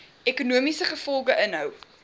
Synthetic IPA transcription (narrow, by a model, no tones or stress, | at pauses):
ekunuəmisəχəfɔlˠɡəʔənɦœw